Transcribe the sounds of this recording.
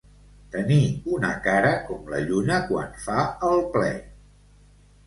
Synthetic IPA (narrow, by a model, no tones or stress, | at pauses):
t̪əniunəkaɾəkɔmlə̰ʎunəkwa̰nfaəlˠplɛ̰